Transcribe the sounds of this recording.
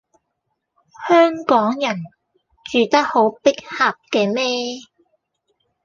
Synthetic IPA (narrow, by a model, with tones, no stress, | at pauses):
hœː˥ŋkɔː˨˥ŋjɐ˨˩n | t͡ʃyː˨t̪ɐ˥k̚ho˨˥wpɪ˥k̚hɐ˨p̚kɛː˧mɛː˥